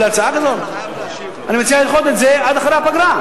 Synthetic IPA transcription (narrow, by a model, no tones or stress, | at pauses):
lat͡saaɡad̪ol | animet͡sialilχot̪etzead̪aχɾejapaɡɾa